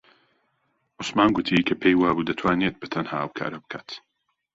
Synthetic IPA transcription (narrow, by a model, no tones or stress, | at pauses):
ʔʊsmaːnɡʊt̪ʰikʰɐpʰejwaːbud̪ɐt̪ʰwaːnet̪̚bɨt̪ʰɐnhaːhawkʰa̰ːɾɐbɨ̥kʰa̰t̪